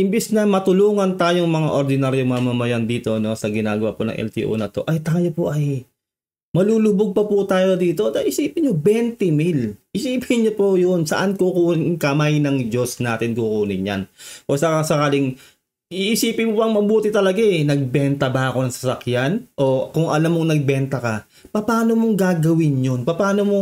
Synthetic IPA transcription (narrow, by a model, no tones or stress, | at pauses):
ʔɪmbɪsnɐmɐt̪ʊluːŋɐnt̪aːjoŋmɐŋaʔoɾd̪ɪnaɾjoŋmɐmɐmɐjand̪iːt̪o̞no̞sɐɡɪnaːɡɐwa̰pʊnɐ̰ŋʔɛ̰lt̪ḭːʔo̰nɐt̪o̞ʔɐjt̪aːjopoʔɐj | mɐluːlʊbʊɡ̚pɐpʊt̪aːjo̞d̪iːt̪o̞d̪ɐjʔɪsiːpɪnɲobɛnt̪ɛmɪlʔɪsiːpʰɪnɲopojonsɐ̰ʔankukuːnɪŋkɐmajnɐŋd͡ʒo̞snaːt̪ɪnkukuːnɪɲja̰nposɐkasɐkaːlɪŋ | iʔɪsiːpɪnmobɐŋmɐbuːt̪ɪt̪ɐlɐɡaʔɛnɐɡ̚bɛnt̪ɐbɐʔɐko̞nɐŋsɐ̥sɐkjanʔo̞kʊŋʔɐlamːoŋnɐɡ̚bɛnt̪ɐkɐ | pɐpaːno̞mo̞ŋɡaːɡɐwɪnjo̞npɐpaːno̞mo̞